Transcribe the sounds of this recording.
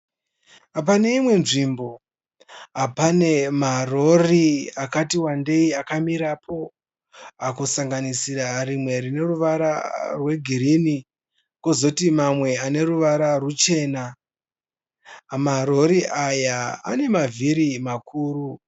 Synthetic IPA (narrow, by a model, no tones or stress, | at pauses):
ap̬ane̞imwe̞nʐimbo̞ | ɦapane̞maro̞riakatiwande̞iakamiɾapʰo̞ | akusaŋɡanisiɾarimwe̞rine̞ruʋaɾa̰rwe̞ɡʱiɾini | kozo̞timamwe̞ane̞ruʋaɾarut͡ʃe̞ːna | maɾo̞ɾiʔajaa̰ne̞maviɾimakʰuːru